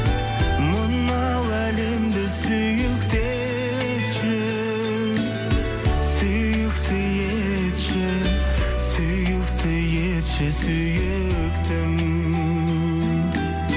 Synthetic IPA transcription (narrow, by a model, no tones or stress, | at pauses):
mənː | ɑ | wæle̞md̪ɪsɵjɪkt̪e | ʃɪ | sɵ | jɪkt̪ʰɪje | t̪ʃɪ | sʏ | jɪkt̪ʰɪjet̪ʃɪsʏjɪ | kt̪ɪŋ